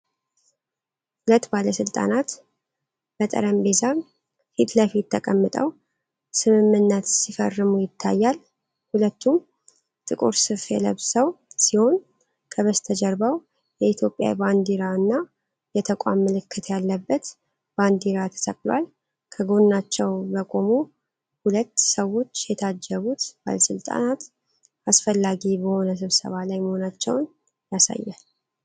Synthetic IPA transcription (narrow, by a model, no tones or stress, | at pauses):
hulət̪ːbaləsɨlt̪ʼa̰nat̪ | b̥ət̪ʼə̰ɾəmbeza | fit̪ləfit̪ːəkʼəmːɨt̪ʼəw | sɨmɨmːɨnːət̪sifərːɨmujɪt̪ʰːa̰jːal | hulət̪ːu | t̪ʼɨkʼṵɾsɨfjɛ̰ləβsəwsiho̞n | kʰəβəst̪ʰəd͡ʒəɾbaw | jɛit̪ʰjo̞pʼːja̰band̪iɾaɨnːa | jɛt̪ʰəkʷʼa̰mːɨlɨkʰːɨt̪ʰjalːəbːət̪ | b̥and̪iɾat̪ʰə̥t̪ʰʼə̰kʼlwa̰l | kʰəɡo̞nːat͡ʃːɛwbəkʼo̞mu | hulət̪ːsəwo̞t͡ʃːjɛt̪ʰad͡ʒːəβut̪b̥a̰ləsɨlt̪ʼa̰nat̪ | asfəlːaɡibəho̞nəs̬ɨβsə̰βalajməho̞nat͡ʃːɛ̰wn | jasa̰jːa̰l